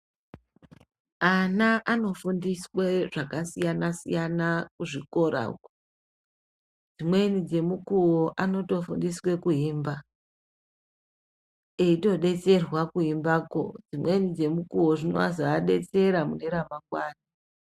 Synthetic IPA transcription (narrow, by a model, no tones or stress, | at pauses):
anaʔano̞fundisweʐakasijanasijanakuʐiko̞ɾa̰ko | d͡zimwe̞nid͡ze̞mukuwoʔano̞to̞fundiswe̞kuɦiːmba | eito̞ɗe̞t͡se̞rwakuimbaːko̰d͡zimwe̞nid͡ze̞mukuwo̞ʐinoa̰zaaɗe̞t͡se̞ɾamune̞ɾamakwaːni